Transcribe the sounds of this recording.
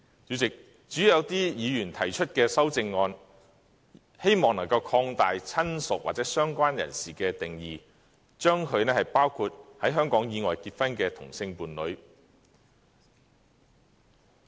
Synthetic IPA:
t͡syː˨˥t͡sɪ˨k̚ | t͡ʃyː˨˥jɐ˨˧wt̪iː˥jiː˨˧jyː˨˩nt̪ʰɐ˨˩jt͡ʃʰɵ˥t̚kɛː˧sɐ˥wt͡sɪ˧ŋːɔː˧n | he˥jmɔː˨ŋnɐ˨˩ŋkɐ˧wkʰɔː˧ŋt̪aː˨jt͡sʰɐ˥nsʊ˨k̚wa̰˨t̚t͡sɛ˨˥sœː˥ŋkʷaː˥njɐ̰˨˩nsiː˨kɛː˧t̪ɪ˨ŋjiː˨˩ | t͡ʃœː˥ŋkʰɵ˨˧ɥnɛː˥hɐ˨˩jpaː˥wkʰuː˧t̚hɐ˨˥jɦœː˥ŋkɔː˨˥ŋjiː˨˧ŋɔː˨jkiː˧t̚fɐ˥nkɛː˧t̪ʰʊ̰˨˩ŋsɪ˧ŋpuː˨nlɵ˨˧ɥ

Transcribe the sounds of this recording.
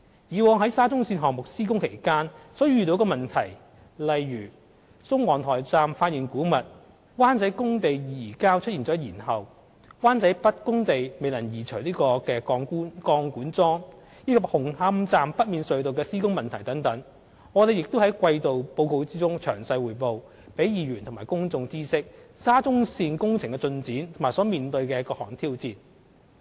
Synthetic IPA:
jiː˨˧wɔː˨˧ŋɦɐ˨˥jsaː˥t͡sʊ˥ŋsiː˧nɦɔː˨˩ŋmʊ˨k̚siː˥kʊ˥ŋkʰe˨˩jkaː˥nsɔː˨˥jɥyː˨˩t̪o˨˥wkɔː˧mɐ˨˩nt̪ʰɐ˨˩j | lɐ˨jːyː˨˩ | sʊ˥ŋwɔː˨˩ŋt̪ʰɔː˨˩jt͡saː˨mfaː˧t̚jiː˨˩nkuː˨˥mɐ˨t̚ | waː˥nt͡sɐ˨˥jkʊ˥ŋt̪e˨jjiː˨˩kaː˥wt͡ʃʰɵ˥t̚iː˨˩nt͡sɔː˨˥jiː˨˩nhɐ˨w | waː˥nt͡sɐ˨˥jpɐ˥t̚kʊ˥ŋt̪e˨jme˨jlɐ˨˩njiː˨˩t͡ʃʰɵ˨˩ɥliː˥kɔː˧kɛː˧kɔː˧ŋkːkɔː˧ŋkuː˨˥nt͡sɔː˥ŋ | liː˥kɐ˧hʊ˨˩ŋha˧˥mt͡saː˨mpɐ˥t̚miː˨nsɵ˨ɥt̪o˨wkɛː˧siː˥kʊ˥ŋmɐ˨nt̪ʰɐ˨˩jt̪ɐ˨˥ŋt̪ɐ˨˥ŋ | ŋɔ˨˧t̪e˨˧jɪ˨k̚t̪ʊ˥hɐ˨˥jkʷɐ˧jt̪o˨wpo˧wko˧wt͡siː˥t͡sʊ˥ŋt͡ʃʰœː˨˩ŋsɐ˧jwuː˨˩jpo˨w | pe˨˥jjiː˨˧ɥyː˨˩nt̪ʰʊ˨˩maː˨˩jkʊ˥ŋt͡sʊ˧ŋt͡siː˥sɪ˥k̚saː˥t͡sʊ˥ŋsiː˧nkʊ˥ŋt͡sʰɪ˨ŋkɛ˧t͡sɵ˧nt͡siː˨˥nt̪ʰʊ˨˩maː˨˩jsɔː˨˥miː˨nt̪ɵ˧ɥkɛː˧kɔː˧hɔː˨˩ŋt̪ʰiː˥wt͡siː˧n

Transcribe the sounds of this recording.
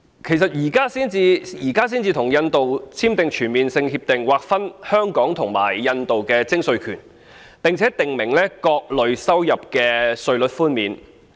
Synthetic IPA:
kʰe˨˩jsɐ˨t̚jiː˨˩kaː˥siː˥nt͡siː˧jiː˨˩kaː˥s̬iː˥nt͡siː˧t̪ʰʊ˨˩ŋjɐ˧nt̪o˨wt͡sʰiː˥mt̪ɪ˨ŋt͡ʃʰyː˨˩nmiː˨nsɪ˧ŋhiː˧p̚t̪ɪ˨ŋwaː˨k̚fɐ˥nhœː˥ŋkɔː˨˥ŋt̪ʰʊ˨˩ŋma̰ː˨˩jjɐ˧nt̪o˨wkɛː˧t͡sɪ˥ŋsɵ˨˧ɥkʰyː˨˩n | pɪ˨ŋt͡sʰɛː˨˦˥t̪ɪ˨ŋmɪ˨˩ŋlɛː˥kɔː˧k̚lɵ˨ɥsɐ˥wjɐ˨p̚kɛː˧sɵ˧ɥlɵ˨˥t̚fuː˥nmiː˨n

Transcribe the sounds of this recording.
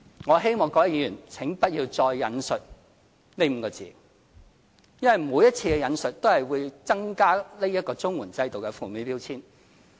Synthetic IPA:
ŋɔ˨˧ɦe˥jmɔː˨ŋkɔː˨˥jɐ˥˩jiː˧jyː˨˩nt͡sʰɪ˨˥ŋpɐ˥t̚jiː˧wt͡sɔː˧jːɐ̰˨˧nsɵ˨t̚ | ne˥m̩˨˧kɔː˧t͡sḭː˨˩ | jɐ˥nwɐ˨jmuː˨˧jɐ˥t̚t͡sʰiː˧kɛ˧jɐ˨˧nsɵ˨t̚t̪o˥whɐ˨˩jwuː˨˧jt͡sɐ˥ŋkaː˥le˥jɐ˥t̚kɔː˧t͡sʊ˥ŋwuː˨˩nt͡sɐ˧jt̪o˨wkɛ˧fuː˨˩mi˨˥piː˥wt͡sʰiː˥n

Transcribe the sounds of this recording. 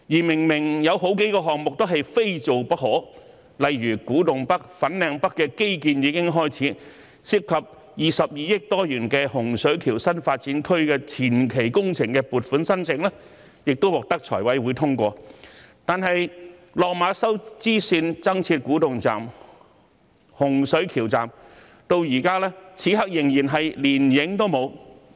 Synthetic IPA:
jiː˨˩mɪ˨˩ŋmɪ˨˩ŋjɐ˨˧wɦo˨˥wke˨˥jkɔː˧ɦɔː˨ŋ̚mʊ˨k̚t̪ɦɐ˨jfe˥jt͡so˨wpɐ˥k̚ɦɔː˨˥ | lɐ˨jɥyː˨˩kuː˨˥t̪ʊ˨ŋpɐ˥k̚fɐ˨˥nlɛː˨˧ŋpɐ˥kːɛː˧ke˥jkiː˨˧njiː˨˧kɪ˥ŋɦɔː˥jt͡sʰiː˨˥ | sɪ˥p̚kʰːɐ˨p̚ | jiː˨˩sɐ˨p̚jiː˨˧jɪ˥k̚t̪ɔː˥jyː˨˩nkɛː˧hʊ˨˩ŋsɵ˨˥ɥkʰiː˨˩wsɐ˥nfaː˧t̚t͡siː˨˥nkʰɵ˥ɥkɛː˧t͡sʰiː˨˩nkʰe˨˩jkʊ˥ŋt͡sʰɪ˨˩ŋkɛ˧puː˨˩t̚fuː˨˥nsɐ˥nt͡sɪ˨ŋlɛː˥ | jɪ˨k̚t̪o˥wɔː˨k̚t̪ɐ˥k̚t͡ʃʰɔː˨˩jwɐ˨˥jwuː˨˧jt̪ʰʊ˥ŋkʷɔː˧t̪aː˨nɦɐ˨jlɔː˨k̚maː˨˧sɐ˥wt͡siː˥siː˧nt͡sɐ˥ŋt͡sʰiː˧t̚kuː˨˥t̪ʊ˨ŋt͡sa̰ː˨m | hʊ˨˩ŋsɵ˨˥ɥkʰiː˨˩wt͡sa̰ː˨˩m | t̪o˧wjiː˨˩kaː˥lɛː˥t͡sʰiː˨˥ɦɐ˨˥k̚jɪ˨˩ŋjiː˨˩nɦɐ˨jliː˨˩njɪ˨˥ŋt̪o˥wmo˨˧w

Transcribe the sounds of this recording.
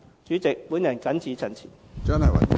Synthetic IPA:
t͡ʃyː˨˥t͡sɪ˨k̚puː˨˥njɐ˨˩nkɐ˨˥nt͡sʰiː˨˧t͡sʰɐ˨˩nt͡sʰḭː˨˩n | t͡sɐ˥nhɐ˨jwɐ̰˨˩

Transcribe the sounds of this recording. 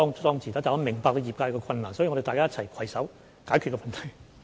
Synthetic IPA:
ɔː˥ŋt̪ɔː˥ŋt͡siː˨˩aː˨˥tt͡sa˨˩ɐ˧˥mɪ˨˩ŋpaː˧k̪̚o˧jiː˨˩pkaː˧kɔː˧kʰɐ˧nlaː˨˩nsɔː˨˥i˨ŋɔ˧ɾe˨t̪aː˨jkaː˥j̚t͡sʰɐ˨˩jkʰɐ˨˩jsɐ˨˥w | kaː˨˥jkʰy˧t̚kɔː˧mɐ˨nt̪ʰɐ˨˩j

